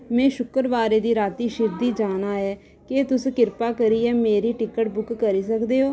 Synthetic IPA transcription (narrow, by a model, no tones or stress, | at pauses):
mɛ̃ːʃʊkəɾʋaːɾeːd̪iːɾaːt̪iːʃɪɾd̪iːd͡ʒaːnaːɛː | keːt̪ʊskɪɾpaːkəɾiːɛːmeːɾiːʈɪkəʈbʊkːəɾiːsəkd̪eːɦoː